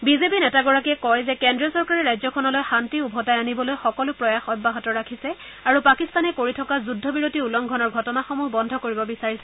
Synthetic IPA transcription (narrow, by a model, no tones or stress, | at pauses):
bizepinɛtaɡɔɹak̬iɛkɔjzɛkɛndɹiɔsɔɹkaɹɛɹajzɔkʰɔnɔlojxantiubʱɔtajanibɔlojxɔkɔlʊpɹɔjaxɔjbːaɦɔtɔɹakʰisɛ | aɹupakist̪anɛkoɹitʰɔkazudʱːɔbiɹotiulɔŋɡʱɔnɔɹɡʱɔtɔnaxomuɦbɔndʱɔkoɹibɔbisaɹisɛ